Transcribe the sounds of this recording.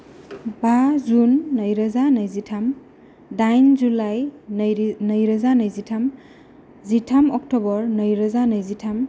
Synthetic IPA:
bazunːɐjɾɐzanɐjzitʰam | dajnzulaj | nɐjɾɐzanɐjzitʰam | zitʰamɔk̚tɔbɔɾnɐjɾɐzanɐjzitʰam

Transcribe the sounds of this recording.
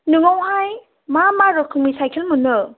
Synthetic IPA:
nuŋawɦaj | mamaɾɔkʰːuŋmisajkʰelmunɯ

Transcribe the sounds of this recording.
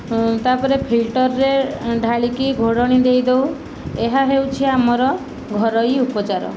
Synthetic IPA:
t̪apɔɾepʰilʈɔɾːeɖʱaɭikiɡʱoɽɔɽ̃id̪ejd̪ew | eɦaɦewt͡ʃʰiamɔɾɔ | ɡʱɔɾɔjupɔt͡ʃaɾɔ̰

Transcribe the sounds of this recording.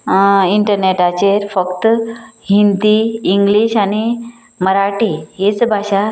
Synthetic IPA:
iɳʈəɾneʈat͡ɕeɾfəkt̪hint̪iːŋɡliɕañi | məɾaʈiɦit͡sbʱaɕa

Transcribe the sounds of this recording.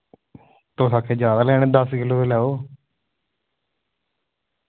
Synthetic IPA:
t̪oːsaːkʰeːd͡ʒjaːd̪aːlɛːɽ̃eːd̪əskɪloːt̪elɛːoː

